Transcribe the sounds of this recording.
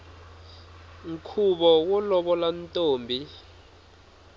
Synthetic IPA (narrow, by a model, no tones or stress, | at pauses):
ŋ̩kʰuɓɔwɔlɔɓɔlantʼoːmbʱi